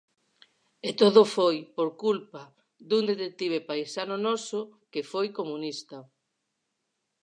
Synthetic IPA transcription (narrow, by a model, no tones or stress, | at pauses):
et̪oðofojpoɾkulpɐ | d̪und̪et̪ek̚t̪iβ̞epajsanonɔsʊkefojkomunist̪ɐ